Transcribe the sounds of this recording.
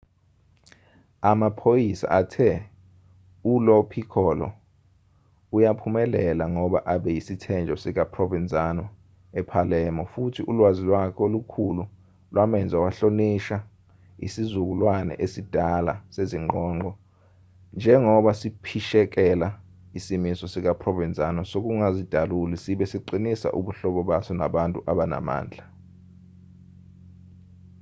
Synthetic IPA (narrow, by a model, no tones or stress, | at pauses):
amapʰojisa̰ʔatʰɛ | ulɔpʰikʰɔlɔ̰ | ujapʰumɛlɛlaŋɔɓaʔaɓɛjisitʰɛnd͡ʒʱɔsik̬apʰrɔvɛnd͡zʼanɔ | ɛpʰalɛːmɔfutʰiulwazilwakʰolukʰulu | lwamɛnd͡zʱawaɬoniʃa | ḭsizuk̬ulwanɛ̰ʔesid̥ʱala̰seziŋ͡ǃɔːŋ͡ǃɔ | nd͡ʒʱɛŋɔɓasipʰiʃɛk̬ɛla | isimisɔsik̬apʰrɔvɛnt͡sʼanɔsok̬uŋazid̥ʱalulisiɓɛsiǃinisa̰ʔuɓuɬɔɓɔɓasɔna̰ɓantʼuʔaɓana̰ma̰ːnd͡ɮʱa